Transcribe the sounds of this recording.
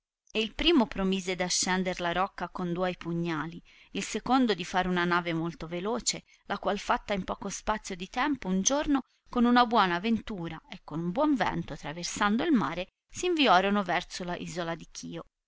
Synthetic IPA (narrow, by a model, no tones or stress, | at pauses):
eilpɾiːmopɾomiːzed̪aʃːɛnd̪eɾlaɾɔkːakond̪uɔjpuɲːaːli | ilsekond̪od̪ifaːɾeunanaːvemolt̪ovelɔːt͡ʃe | lakwalfat̪ːaimpɔːkospat̪sːjod̪it̪ɛmpound͡ʒorno | konunabwɔːnaːvent̪uːɾaekːonumbwɔɱvɛ̰nt̪oat̪ːɾaversand̪oilmaːɾe | siiɱviɔːɾonovɛrt̪solaʔḭːzolad̪ikʰiːo